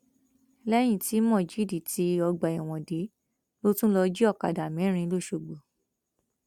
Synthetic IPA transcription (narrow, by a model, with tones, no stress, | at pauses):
lɛ˦j̃ĩ˦˨ti˨˦mɔ̃˦˨d͡ʒi˨˦di˨ti˧˦ɔ˧ɡ͡ba˨i˨w̃ɔ̃˨de˨˦ | lo˦tũ˦lɔ˧d͡ʒi˦ɔ˦˨ka̰˨da˨mɛ̃˨˦ɾ̃ĩ˧˦lo˦˨ʃo˨ɡ͡bo˨